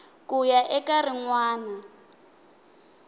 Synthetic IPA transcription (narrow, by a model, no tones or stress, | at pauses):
kʼujaʔɛkariŋwaːna